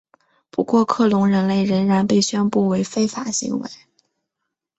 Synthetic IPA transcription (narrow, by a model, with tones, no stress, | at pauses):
pu˧˥kwɔ˥˧kʰɤ˥˩lʊ˧˥ŋɻə˧˥nle˥˩ɪɻə˧˥nɻa˧˥npe˥˩ɪɕɥɛ˥npu˥˩we˧˥ɪfe˥ɪfa˨˩ɕḭ˧˥ŋwḛ˧˥ɪ